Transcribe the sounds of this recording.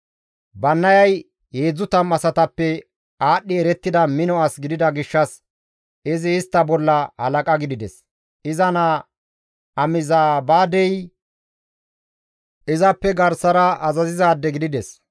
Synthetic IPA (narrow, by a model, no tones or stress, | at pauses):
bɐnːɐjɐj | heːd͡zːʊt̪ɐmɐsɐt̪ɐpːɛ | aːɗːɪɛɾɛt̪ːɪd̪ɐmɪnɔɐsɡɪd̪ɪd̪ɐɡɪʃːɐs | ɪzɪːst̪ːɐbɔlːɐhɐ̰lɐkʼɐɡɪd̪ɪd̪ɛs | ɪzɐna | ʔɐmɪzaːbaːd̪ɛj | ʔɪzɐpːɛɡɐɾsɐɾɐʔɐzɐzɪzaːd̪ːɛɡɪd̪ɪd̪ɛs